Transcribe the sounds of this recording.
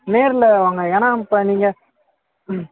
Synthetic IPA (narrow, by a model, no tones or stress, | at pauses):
neːɾɪlɐʋaːŋɡɐɛnaːmpɐniːŋɡɐ